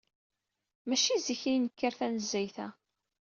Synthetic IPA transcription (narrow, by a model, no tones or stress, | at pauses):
mæʃiziçinəkːəɾθænəzːæjθæ